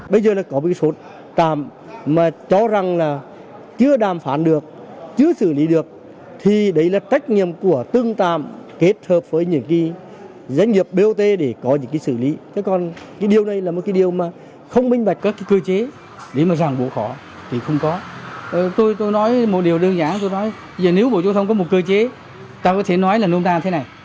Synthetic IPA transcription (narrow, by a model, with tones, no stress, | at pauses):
ɓə˧jzəː˨˩laː˨˩kɔ˨˦mo˨˩kso˨˦t̚ | t̪aː˧˨m | maː˨˩t͡ɕɔ˧za˨˩ŋlaː˨˩ | t͡ɕɨ˧əɗaː˨˩mfaː˨˧˦nɗɨ˨˩ək̚ | t͡ɕɨ˧əsɨ˧˩li˨˦ɗɨ˨˩ək̚ | t̪ʰi˨˩ɗə˨˦jlaː˨˩t͡ɕa˦˥jk̟̚ɲi˨əmku˧˩ət̪ɨ˧ŋt̪a̰ː˧˨mke˦˥t̚həː˨˩p̚vəː˨˦jɲɨ̰˧˩˥ŋki˨˦ | za˧˦jŋ̟ŋi˨˩əp̚ɓe˧ʔt̪e˧ɗe˧˩kɔ˨˦ɲɨ̰˧˥ŋka˨˦sɨ̰˧˩li˨˦t͡ɕə˨˦kɔ˨˩nkaː˨˦jɗi˨˩əwna˨˩jlaː˨˩mo˨˩t̚kaː˨˦jɗi˨˩əwmaː˨˩ | xə˧wŋ͡mmï˧ŋ̟ɓa˨˩jk̟̚kaː˦˥kːaː˨˦jkə˧t͡ɕe˨˦ | ɗe˧˩maː˨˩za˨˩ŋɓu˧˩əxɔ˧˩ | t̪ʰi˨˩xə˧wŋ͡mkɔ˨˦˨ | t̪o˧jt̪o˧jnɔ˨˦jmo˨˩t̚ɗi˨˩əwɗəː˧ŋzaː˨˦ŋt̪o˧jnɔ˨˦j | zəː˨˩ne˨˦wɓo˧˩t͡ɕo˧˦t̪ʰə˧wŋ͡mkɔ˨˦mo˨˩t̚kə˧t͡ɕe˨˦ | t̪aː˧kɔ˨˦t̪ʰe˧˩nɔ˨˦jlaː˨˩no˧nt̪aː˧t̪ʰe˨˦na˨˩j